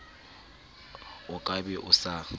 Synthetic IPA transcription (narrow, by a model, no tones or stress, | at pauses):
ʊkʼabɛʔʊsa